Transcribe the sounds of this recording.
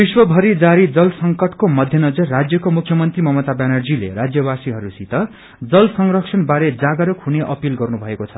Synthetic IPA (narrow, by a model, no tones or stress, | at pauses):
biswʌbʱʌɾid͡zaɾid͡zʌlsʌŋkʌʈkomʌd̪ʱjʌnʌd͡zʌrːad͡zjʌkomukʰjʌmʌnt̪rimʌmʌt̪abanʌrd͡zilḛɾad͡zjʌbasiɦʌɾusit̪ʌ | d͡zʌlsʌŋrʌksʰʌnbaɾed͡zaɡʌɾukɦuneʔʌpilɡʌrnubʱʌekot͡sʰʌ